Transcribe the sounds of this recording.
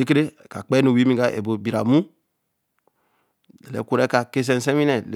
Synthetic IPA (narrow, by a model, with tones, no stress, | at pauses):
e˦k̬e˦ɾe˦˨ka˨k͡pe˦no˨wi˦mi˦˨ɡa˨ʔḛ˨bo˨bi˨ɾa̰˨mu˦ | e˨lḛ˨˦kʷu˦ɾe˦ka˨ke˦s̬e˨n˨se˦wi˦ne˨le˨